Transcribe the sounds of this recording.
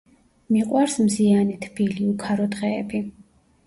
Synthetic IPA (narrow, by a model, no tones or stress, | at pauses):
miqʼwaɾsmzianit̪ʰb̥iliukʰaɾɔd̪ʁɛːbi